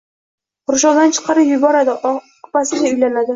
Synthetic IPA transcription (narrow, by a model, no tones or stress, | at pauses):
ʊɾʊʃɒnd̪ant͡ʃʰɨ̥qʰɑɾɪpjʊbɒɾad̪ɪ | pasɪɡʲaʊjlanad̪ɪ